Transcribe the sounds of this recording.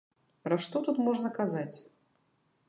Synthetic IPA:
pɾɐʂt̪ɔt̪ut̪mɔʐnɐkazat͡sʲ

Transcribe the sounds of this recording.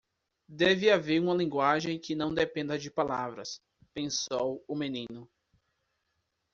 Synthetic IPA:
d̪ɛvɪaveɾũmɐlĩɡwaʒẽj̃kɪnɐ̃w̃d̪epẽnd̪ɐd͡ʒɪpalavɾɐ̰s | pẽsowʊmenĩnʊ

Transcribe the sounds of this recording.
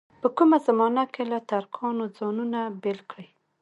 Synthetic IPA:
pəkumazamɑnakelat̪aɾkʰɑnod͡zɑnunabɪlkɽəj

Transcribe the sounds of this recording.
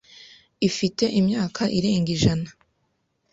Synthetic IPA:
ifite̞ʔimɲaːkʰaʔiɾe̞ːŋɡiʒana

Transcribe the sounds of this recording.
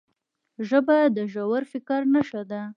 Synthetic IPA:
ʒəbad̪əʒawaɾfɪkaɾnaʃad̪a

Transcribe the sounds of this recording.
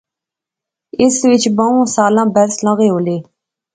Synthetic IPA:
ɪsʋɪt͡ʃbəõːsaːlãːbɛɾslə̃ɣeːɦoːleː

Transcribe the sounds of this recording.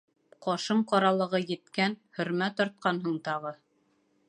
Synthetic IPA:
qɒʃɤɴqɑɾɑlˠɤ̆ʁɤjɘ̆t̪kænhɵ̆ɾmæt̪ɒɾt̪̚qɑnɦɤɴt̪ɑʁɤ

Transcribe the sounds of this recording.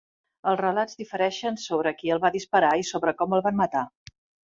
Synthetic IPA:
əlˠzrəlazðifəɾɛʃənsoβɾəkiəlˠβaðispəɾaisoβɾəkɔməlˠβanmət̪a

